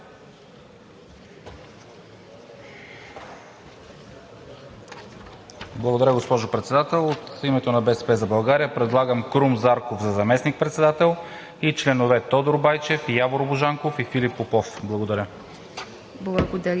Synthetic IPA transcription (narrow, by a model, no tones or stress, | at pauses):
blˠɐɡod̪ɐɾʲəɡospɔʒopɾɛt̪sɛd̪at̪ɛlˠot̪imɛt̪onɐbɛsɛ̥pɛzɐbɐlˠɡaɾiəpɾɛd̪lˠaɡəmkɾumzaɾkovzɐzɐmɛsnik̚pɾɛt̪sɛd̪at̪ɛlˠ | it͡ʃlɛnovɛt̪ɔd̪oɾbajt͡ʃɛfjavoɾoboʒaŋkofifilipːopɔfblˠɐɡod̪ɐɾʲə | blˠɐɡod̪ɐ